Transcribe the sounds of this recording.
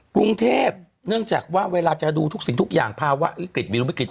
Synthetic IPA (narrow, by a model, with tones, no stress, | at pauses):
kɾu˧ŋt̪ʰeː˥˩p̚ | nɯ˥˩əŋt͡ɕaː˨˩k̚waː˥˩weː˧laː˧t͡ɕa˨˩duː˧t̪ʰu˦˥k̚si˨˩ŋt̪ʰu˦˥k̚ja̰ː˨˩ŋpʰaː˧wa̰˦˥ʔwi˦˥kɾi˨˩t̪̚wi˧li˦˥kɾi˨˩